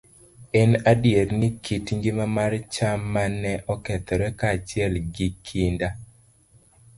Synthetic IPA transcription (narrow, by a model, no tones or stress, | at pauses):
ɛnadjernikʰitŋɡɪmamart͡ʃamːanɛʔɔkɛt̪ɔɾɛkaːt͡ʃɪɛlɡikʰinda